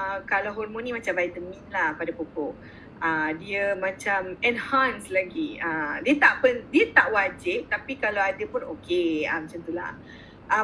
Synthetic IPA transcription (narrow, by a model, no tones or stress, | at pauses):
əkalaɦɔrmõnːĩmãt͡ʃamvajt̪əmĩnlahpadapokɔʔ | ədiəmãt͡ʃamɛnhanslaɡiədiət̪aʔpəndiət̪aʔwad͡ʒɪp̚t̪apikalawadəpʊnokeə̰mat͡ʃamt̪ula̰h | ʔə